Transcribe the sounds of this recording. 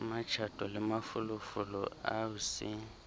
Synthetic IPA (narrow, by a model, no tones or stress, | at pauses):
mat͡ʃʰatʼɔlɪmafʊlʊfʊlɔ̰a̰ʊsɪ